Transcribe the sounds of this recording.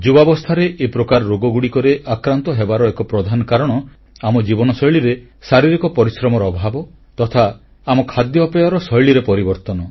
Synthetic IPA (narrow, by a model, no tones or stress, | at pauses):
d͡ʒubabɔst̪ʰaɾeʔepɾɔkaɾɔːoɡɔɡuɽikɔɾeʔakɾant̪ɔɦebaɾɔekɔpɾɔd̪ʱanɔkaɾɔɽ̃ɔ | amɔd͡ʒibɔnɔsɔjɭiɾe | saɾiɾikɔpɔɾisɾɔmɔɾɔːbʱabɔ | t̪ɔt̪ʰa | amɔkʰad̪jɔːpɔjaɾɔsɔjɭiɾepɔɾibɔɾt̪ɔnɔ